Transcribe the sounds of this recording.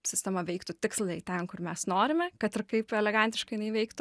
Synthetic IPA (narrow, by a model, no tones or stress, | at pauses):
sʲɪsʲt̪ʲɛmɐʋʲɛɪkt̪ʊt̪ʲɪkslˠɐɪt̪ʲɛnkʊrmʲɛsnoːɾʲɪmʲɛkɐt̪ʲrkɐɪpɛlʲɛɡɐnʲt̪ʲɪʃkɐɪnɐɪʋʲɛɪkt̪ʊ